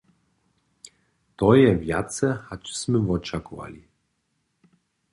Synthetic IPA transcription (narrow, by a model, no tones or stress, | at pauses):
t̪ɔjɛvjat̪sɛhat͡ʃsʲmɘvɔt͡ʃakuva̰lʲi